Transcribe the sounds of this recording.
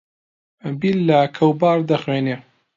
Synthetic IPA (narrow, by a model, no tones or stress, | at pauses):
bilːakʰɐwbaːɾd̪ɐxweːne